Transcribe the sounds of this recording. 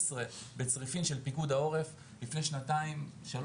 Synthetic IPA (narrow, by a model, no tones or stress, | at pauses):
sʁebet͡sʁifimʃe̞lpikud̪ao̞ʁe̞f | lifne̞jʃnat̪aimʃal